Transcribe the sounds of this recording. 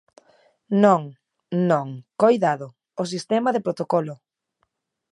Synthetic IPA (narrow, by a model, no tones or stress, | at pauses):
nõŋ | nõŋkojðaðʊ | os̬ist̪ɛmaðepɾot̪okɔlʊ